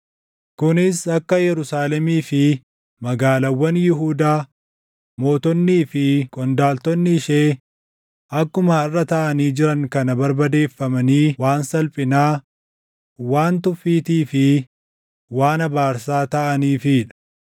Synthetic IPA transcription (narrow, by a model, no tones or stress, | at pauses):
kʊnɪsɐkːɐjɛɾʊsaːlɛmiːfɪ | mɐɡaːlɐwːɐnjɪɦuːd̪aː | mo̞ːt̪ɔnːiːfɪkʼɔnd̪aːlt̪ɔnːɪɪʃeː | ʔɐkːʊmaɪrːɐt̪ɐʔɐniːd͡ʒɪɾɐŋkɐnɐbɐɾbɐd̪e̞ːfːɐmɐniːwaːnsɐlpʼɪnaː | waːnt̪ʊfːiːt̪iːfɪ | waːnɐbaːɾsaːt̪ɐʔɐniːfɪᶑɐ̥